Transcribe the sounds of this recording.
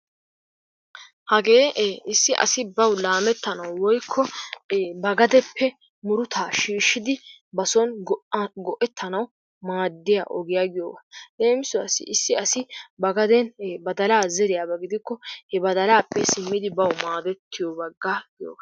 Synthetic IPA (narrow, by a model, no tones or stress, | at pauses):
hɐɡeːɪsːɪʔɐ̰sɪbɐwlaːmɛt̪ːɐnɐwwɔjkʰːɔ | bɐɡɐd̪ɛpʰːɛ | mʊɾʊt̪ʰaːʃiːʃːɪd̪ɪbɐsɔnɡɔʔɛt̪ʰːɐnɐw | maːd̪ːɪja̰ʔɔɡɪjaːɡɪjo̰ːɡɐle̞ːmɪsʊɐ̰sɪ̰ʔɪsːɪɐsɪbɐɡɐd̪ɛnbɐd̪ɐlaːzɛɾɪjaːbɐɡɪd̪ɪkːɔhɛbɐd̪ɐlaːpːɛsɪmːɪd̪ɪbɐwmaːd̪ɛt̪ːɪjɔbɐɡːaɡɪjo̰ːbɐ